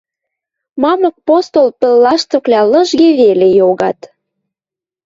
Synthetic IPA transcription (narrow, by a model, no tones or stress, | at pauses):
mɑmɤ̆k̚post̪olpə̆lːɑʃt̪ŏklʲɑlə̆ʒɡeβelejoɣɑt̪